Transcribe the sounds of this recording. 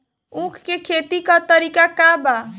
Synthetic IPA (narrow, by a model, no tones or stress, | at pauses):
ũkʰkekʰet̪ikat̪əɾikakaba